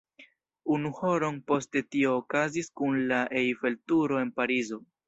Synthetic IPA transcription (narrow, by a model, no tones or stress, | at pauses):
unuho̞ɾo̞npo̞ste̞tio̞ːkaziskunlaʔejve̞ltuɾo̞e̞npaɾizo̞